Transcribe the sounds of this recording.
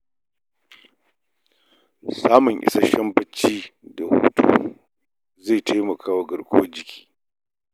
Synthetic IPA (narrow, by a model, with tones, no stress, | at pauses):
saː˦mʊ˨ŋʔɪ̰˨sa˦ʃɐ˦mbɐ˦t͡ʃːiː˦da˨hṵː˦tṵː˦ | ze˦˨jtʰa˦jmɐ˨kʰaː˦wa˦ɡɐ˨ɽkʷʼʊ˦wɐ˦d͡ʒɪ˨kʲʰi̥ː˦